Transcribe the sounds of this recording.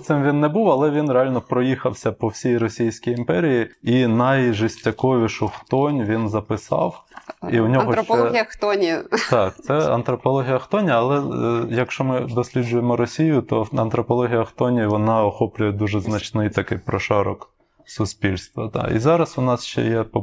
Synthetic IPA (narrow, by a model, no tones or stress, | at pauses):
t̪ɪmʋʲinːɛbuwɐlˠɛʋʲinɾeɑlʲnɔpɾɔjixɐwsʲɐpɔwsʲijɾɔsʲijsʲkʲijimpɛɾʲijiinɐjʒɪsʲtʲːɐkɔʋʲiʃʊxt̪ɔnʲʋʲinzɐpɪsɑ̰wiwnʲɔɦɔɛɐxt̪ɔnʲit̪ɑk̚t̪sɛɐ̰nt̪ɾɔpɔlˠɔɦʲijɐxt̪ɔnʲɐɐlˠɛjɐkʃt͡ʃɔmɪd̪ɔsʲlʲid͡ʒʊjemɔɾɔsʲijʊt̪ɔɐ̰nt̪ɾɔpɔlˠɔɦʲijɐxt̪ɔnʲiʋɔnɑɔxɔplʲʊjɛd̪uʒɛznɐt͡ʃnɪjt̪ɐkɪjpɾɔʃɑɾɔk | sʊsʲpʲilʲst̪ʋɐ̰d̪ɑ̰ʔḭzɑɾɐsʊnɑsʃt͡ʃɛ̰jɛpɔ